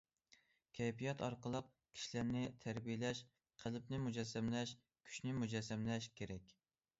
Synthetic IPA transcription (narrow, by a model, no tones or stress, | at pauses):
kʲʰɛjpijɑt̪ɑɾqəlˠəq̚ | kʲʰi̥ʃilæɾnɪt̪ʰæɾbijlɛʃ | qʰælɪpnɪmud͡ʒɛsːæmlɛʃ | kʲʰy̥ʃnɪmud͡ʒɛsːɛmlɛʃkʲʰeɾɛkʲ